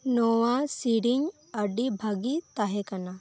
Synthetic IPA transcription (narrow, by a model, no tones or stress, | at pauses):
noʋasiɽiŋ | ɐɖibʱɐɡit̪aɦekɐna